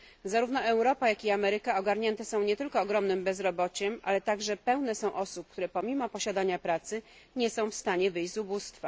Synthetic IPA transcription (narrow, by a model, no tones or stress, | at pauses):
zaɾuvnɔɛwɾɔpajakʲiamɛɾɘkaɔɡaɾɲɛnt̪ɛsɔ̃w̃ɲɛt̪ɘlkɔːɡɾɔmnɘmbɛzɾɔbɔt͡ɕɛmʔa̰lɛt̪aɡʐɛpɛwnɛsɔ̃w̃ʔɔsup̚k̚t̪uɾɛpɔmʲimɔpɔɕad̪aɲapɾat̪sɘ | ɲɛsɔ̃w̃fst̪aɲɛvɘjʑʲzubust̪fa